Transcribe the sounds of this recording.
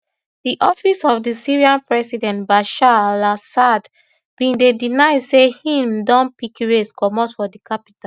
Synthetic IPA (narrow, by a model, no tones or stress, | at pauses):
diʔɔfisɔvdisiɹiãnpɹɛsidɛ̃ntbaʃaalasad | b̥ĩndedinaɪdsehĩmdɔ̃npikɹeskɔmɔtfɔdikapi̥ta